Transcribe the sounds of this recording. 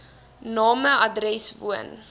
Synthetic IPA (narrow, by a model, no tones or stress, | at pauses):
nɑːməʔɐdrɛsvṵə̰n